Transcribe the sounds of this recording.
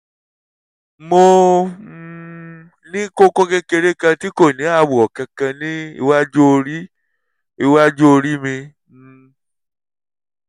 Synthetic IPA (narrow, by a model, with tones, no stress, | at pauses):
mo˧ | nĩ˦ko˦kɔ˦ke˦ke˧ɾe˦kã˧ti˦ko˦˨nĩ˨˦a˦˨wu˨ɔ˨kã˧kã˧nĩ˦ḭ˧wa˦d͡ʒo˦o˧ɾi˦ | i˧wa˦d͡ʒo˦o˧ɾi˦mĩ˧